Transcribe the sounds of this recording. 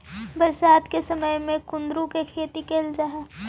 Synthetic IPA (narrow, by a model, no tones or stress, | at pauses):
bəɾsaːt̪kesəməjmẽkʊ̃nd̪ɾũkekʰeːt̪ikeːld͡ʒaːɦɛː